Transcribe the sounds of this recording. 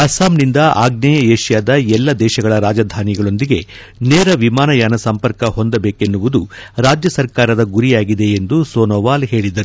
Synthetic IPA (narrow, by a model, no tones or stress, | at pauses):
ɐsaːmnind̪ɐʔa̰ːɡ̚nɐjɐeːʃjaːd̪ɐɛlːɐd̪ɛːʃɐɡɐɭɐɾaːd͡ʒɐd̪ʱaːniɡɐɭo̞nd̪iɡe̞ | neːɾɐʋimaːnɐjaːnɐsɐmpɐɾkɐɦo̞nd̪ɐbeːke̞nːuʋud̪uɾaːd͡ʒjɐsɐɾkaːɾɐd̪ɐɡuɾijaːɡid̪e̞end̪usoːnoːʋaːlɦe̞ːɭid̪ɐɾu